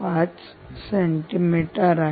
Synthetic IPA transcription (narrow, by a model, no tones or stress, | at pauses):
pãːt͡ʃ | seɳʈimiʈəɾa